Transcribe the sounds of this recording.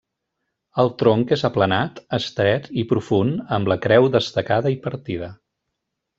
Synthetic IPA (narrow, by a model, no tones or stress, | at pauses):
əlˠt̪ɾoŋkezəplənat̪əst̪ɾɛt̪ipɾufunəmbləkɾɛwðəst̪əkaðəipəɾt̪iðə